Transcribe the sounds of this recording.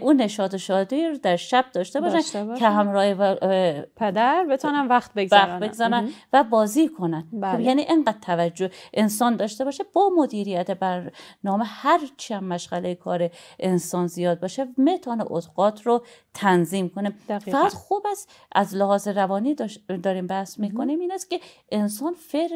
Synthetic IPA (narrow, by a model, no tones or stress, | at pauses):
ʔuːnːe̞ʃɒːd̪oʃɒːd̪iɾd̪æɾʃæb̥̚d̪ɒːʃt̪ebɒːʃæncʰehæmɾɒːhe | pʰed̪æɾbet̪ʰɔːnænvæxt̪̚beɡzvæxtbeɡzɒːɾænvæbɒːziːkʰo̞nænjæniːʔeŋɢæd̪̥̚t̪ʰævæd͡ʒːoʔensɒːnd̪ɒːʃt̪e̞bɒːʃebɒːmo̞d̪iːɾijæt̪ʰebæɾnɒːmehæɾt͡ʃʰiæmmæʃɣælejekʰɒːɾeʔensɒːnzijɒːd̪̚bɒːʃemet̪ʰɒːnḛʔot̪ʰɡ̥ɒːt̪ʰɾot̪ʰænziːmkonimfæɡæd̪xubæs | ʔæzlehɒːzeɾævɒːniːd̪ɒːɾiːmbæhsmiːkʰo̞niːmiːnæst̪cʲe̞ʔensɒːnfeɾ